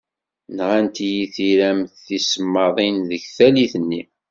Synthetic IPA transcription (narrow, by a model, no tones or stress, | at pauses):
nʁænt̪jiθiɾæmθθisəmːɑðˤinðəçθæliθənːi